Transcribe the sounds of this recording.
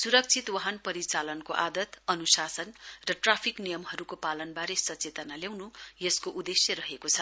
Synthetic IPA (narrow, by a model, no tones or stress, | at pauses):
suɾʌk̚t͡sʰit̪wʌɦʌnpʌɾit͡salʌnkoʔad̪ʌt̪ʌnusasʌnrʌʈrapʰiknijʌmɦʌɾukopalʌnbaɾesʌt͡set̪ʌnaljaw̃nujʌskoʔud̪esjʌɾʌɦekot͡sʰʌ